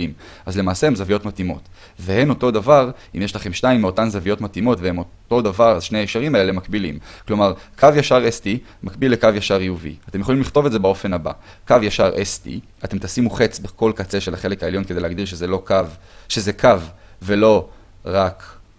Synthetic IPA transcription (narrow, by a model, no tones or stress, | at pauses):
im | azle̞maːseemzavijo̞tmatimo̞̰t | vehe̞no̞to̞d̪avaʁ | imjeʃlaχe̞mʃnaimːeo̞tanzavijo̞tmatimo̞tveemot̪o̞davaʁazʃneaeʃaʁimaeelemakbilḭmklo̞maʁkʰavjaʃaʁestimakbilekavjaʃaʁijuvḭat̪e̞mjeχolimliχt̪o̞vetzebao̞fe̞naba̰ | kavjaʃaʁʔestḭ | at̪e̞mt̪asimuχet͡sbekʰo̞lkat͡se̞ʃelaχe̞le̞kaeljo̞nkedejleaɡd̪iʁʃ̬ezelo̞kav | ʃezekʰavve̞lo̞ | ʁak